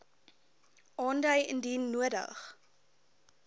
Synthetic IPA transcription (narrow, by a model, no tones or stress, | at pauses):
ʔɑːndəjəndinːuədə̰χ